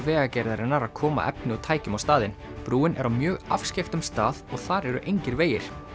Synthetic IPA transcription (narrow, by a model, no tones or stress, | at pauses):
vɛːɣacajɾðaɾɪnaɾaðkʰɔːma̰ʔɛ̰pnɪawt̪ʰaːjcʏmawst̪aːðɪn | pɾuːɪnʔɛɾawmjœːɣa̰fsceft̪ʏmst̪aːðɔɣθaɾɛɾʏ̰ʔejɲcɪɾveːjɪɾ̥